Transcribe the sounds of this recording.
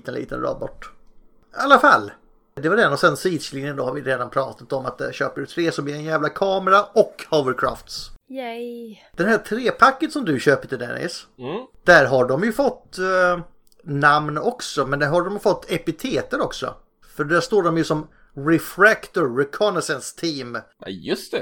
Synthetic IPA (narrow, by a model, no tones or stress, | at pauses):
t̪ənlḭːt̪ə̰nɾɑ̰ːbɔʈː | alːafa̰lː | d̪ɛvaɖɛnɔsɛnsiːd̪slinjənd̪oːhaɾvɪɾeːd̪anpʰɾɑːt̪at̪ɔmat̪̚d̪ɛ̰ɕøːpəɖɵt̪ʰɾeːsɔmblɪɾɛnjæːvlakʰɑːmɛɾaɔkhoʊvəɾkʰɾa̰ːft̪sj | d̪̥ɛnɦæʈʰɾeːpʰakːənsɔmd̪ɵɕøːpət̪ɪd̪ɛ̰nɪ̰sd̪̥æɾɦaɖɔmjɵfɔt̪ː | namnɔksɔmɛnd̪æɾɦaɖɔmjfɔt̪ːɛpɪt̪ʰeːt̪əɾɔksɔ̰ | fœɖæʂt̪oːɖɔmjɵsɔm | ɾɛfɾækt̪ʊɾːɛkʰɔnɛsɛnst̪ʰiːm | ɛjɵst̪ɛ